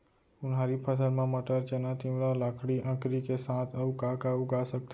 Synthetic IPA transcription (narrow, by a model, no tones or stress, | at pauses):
unɦaɾipʰəsəɾmãməʈaɾt͡ʃənat̪ĩʋɾalakʰɽiʔə̃kɾikesãt̪ʰaũkakaũɡasək̚t̪ʰ